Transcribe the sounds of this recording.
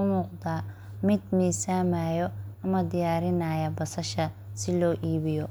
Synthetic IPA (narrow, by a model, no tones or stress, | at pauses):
ʊmuːqd̪aː | mɪd̪miːsaːmaːjɔɐmɐd̪ɪjaːɾɪnaːjɐbɐsɐʃɐ | sɪlɔːʔiːβɪjɔ